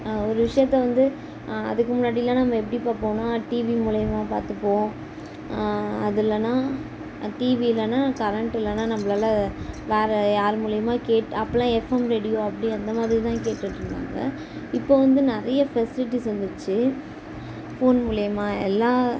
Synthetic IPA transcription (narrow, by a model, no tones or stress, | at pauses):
ɔɾɯʋɪʂɐjɐt̪ːɛʋɐnd̪ɯ | ɐ̰ðɯkːɯmʊnːaːɽɪlːɐ̃nɐmːɐɛp̬ːɐɽipaːɾpoːnõːʈiːʋimuːlɐjɐmaːpaːɾt̪ɯpːõː | ɐðɪlːɐnãː | ʈiːʋilɐnaːkɐɾɛɳʈɪlːɐnaːnɐmːɐɭaːlɐʋeːɾɐjaːɾmuːlɐjɐmaːkeːʈːɐpːɐlãːɛfɛmɾeːɽɪjoːɐpːɐɽiɐnd̪ɐmaːðɾit̪ãːkeːʈːɯʈːɾɯnd̪a̰ːŋɡɐ̰ | ɪpːoːʋɐnd̪ɯnɪɾɐjɐfɛsɪlɪʈ̬ːisɐnd̪ɯt͡ʃːɯ | foːnmuːlɐjɐmaːɛlːãː